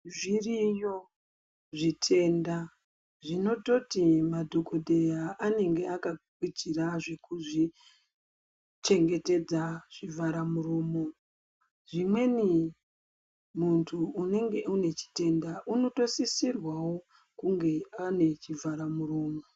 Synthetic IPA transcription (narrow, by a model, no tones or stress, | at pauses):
ʐirijo | ʐitʰe̞ːnda | ʐino̞to̞timadʱoko̞de̞jaʔane̞ŋɡe̞akakwit͡ʃiraʐe̞kuʐi | t͡ʃe̞ŋɡe̞te̞d͡zaʐ̥ivʱaɾamuɾomo̞ | ʐimwe̞ni | muntʰuːne̞ŋɡe̞une̞t͡ʃi̥te̞ndaʔuno̞to̞sisirwawo̞ | kuŋɡe̞ane̞t͡ʃivʱaɾamuroːmo